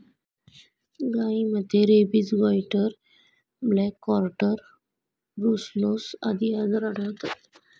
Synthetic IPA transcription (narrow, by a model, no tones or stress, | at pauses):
ɡaiməd̪ʱːjeɾebit͡sɡɔjʈəɾ | blɛkːɔɾʈəɾ | ɾuslosa̰d̪iad̪əɾəɽət̪at̪